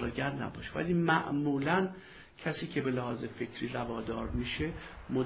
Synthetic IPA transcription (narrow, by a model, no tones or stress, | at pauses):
ɒːɟæɾd̪næ̰bɒːʃevæ̰liːmæʔmuːlæn | cʰæsiːcʰe̞be̞læhɒːze̞fe̞cʰɾiːɾævɒːd̪ɒːɾmiːʃe̞mo